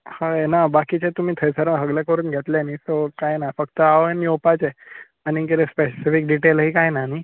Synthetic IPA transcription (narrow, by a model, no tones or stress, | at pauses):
haenabakit͡ɕet̪um̤ĩːt̪ʰəjsəɾəɦəɡlekəɾuːnɡʱet̪lenisokajnafəkt̪əaʋənjopat͡ɕe | añikiɾespesifik̚ɖiʈelɦiːkajnani